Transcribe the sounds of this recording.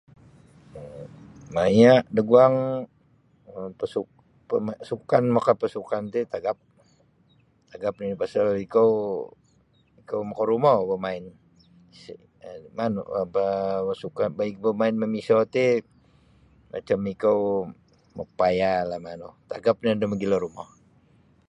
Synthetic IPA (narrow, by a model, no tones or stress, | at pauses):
majaʔdəɡuaŋ | pəsuk̚ | pmasukanmakapəsukant̪et̪aɡap̚ | t̪aɡap̚niipasalikow | ikowmakoɾumɔbəmaɪn | si | manṵapasukanbaɪk̚bəmaɪnməmisɔt̪e | mʔa̰t͡ʃamikow | mə̰pajalahmanut̪aɡap̚niadəməɡilɔɾumɔh